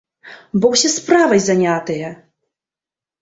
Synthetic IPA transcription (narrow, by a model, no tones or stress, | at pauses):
bɔwsʲɛspɾavɐjzanʲat̪ɨjɐ